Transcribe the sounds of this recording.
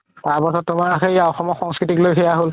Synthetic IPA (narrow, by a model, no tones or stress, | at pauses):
taɹpɔsʰɔt̚tʊmaɹaxejaɔxɔmɔxɔŋskɹitiklojxɛjaɦol